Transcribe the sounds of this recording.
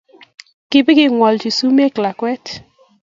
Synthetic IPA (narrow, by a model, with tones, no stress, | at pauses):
kɪ˨bɪ˦ɡɪ˦˨ŋwɔ˨ld͡ʒi˨su˦me˦kla˨kwɛ˦t